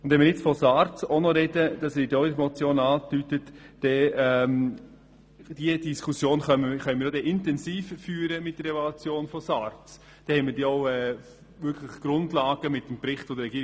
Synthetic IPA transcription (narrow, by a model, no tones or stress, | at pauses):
ʊndvɛnmɪːɾjɪt͡sfɔsɑːɾt͡sonɔɾɛd̥əd̥ɑsdotmɔt͡sjoːnɑːtytətd̥ɛɛm | d̥iədiskʰusjoːnχœχœʏnmiːɾodɛʔɪntɛnsiːffyːɾəmɪt̚d̥əɾɛvolut͡sjoːnfɔsɑːɾt͡s | d̥ɛhɛmɪːɾd̥iːɔʊɛ | vʏkʰləχɡ̥ɾʊndlɑːɡ̥əmɪtːəmpɾɪχtfɔd̪əɾɛɡiː